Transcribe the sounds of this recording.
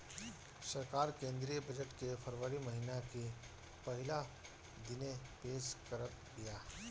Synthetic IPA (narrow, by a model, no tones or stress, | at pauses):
sɐɾkaːɾkẽːnd̪ɾijəbɐd͡ʒəʈkefʰɐɾʋəɾimɐɦiːnake | pɐɦɪla | d̪ɪnẽpeːʃkəɾ | ɡijaː